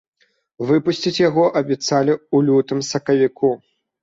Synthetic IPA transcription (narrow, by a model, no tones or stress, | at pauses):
vɨpusʲt͡sʲit͡sʲjaɣɔʔɐbʲɛt̪salʲiulʲut̪ɨmsɐkɐvʲiku